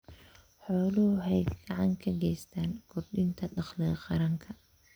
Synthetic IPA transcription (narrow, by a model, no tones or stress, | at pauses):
ħɔːlʊhʊɦɛj̪ɡɑʕɑŋkʰɐɡɛjst̪ʰaːnkʰʊrdɪnt̪ʰɐɖɑχlɛqɑɾɐŋkʰɐ